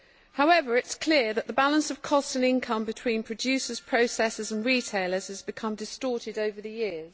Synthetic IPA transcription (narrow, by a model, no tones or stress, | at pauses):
haʊɛvəɹɪtskʰl̥ɪəðəʔðəbalə̃nsəv̥kʰɒstə̃nɪ̃nkʰʌ̃mbɪtʰw̥ĩːnpʰɹ̥əd͡ʒʉˑsəz̥pʰɹ̥əʊsɛsɪzə̃nɹiːtʰeɪləz̥əzbɪkʰʌ̃mdɪstɔˑtɪdəʊvəðəjɪəz̥